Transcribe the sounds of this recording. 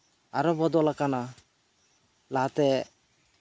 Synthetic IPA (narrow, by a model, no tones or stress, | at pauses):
aɾɔbɔd̪ɔlakana | laat̪ɛ